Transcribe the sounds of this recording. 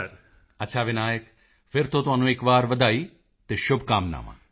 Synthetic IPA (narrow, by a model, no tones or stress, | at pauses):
ɐɾ | ɐtːʃʰaːʋɪnaːjək | fɪɾt̪ot̪oanũeːkʋaːɾʋəd̪aːi | t̪eʃʊbʱkaːmna̰ːmã̰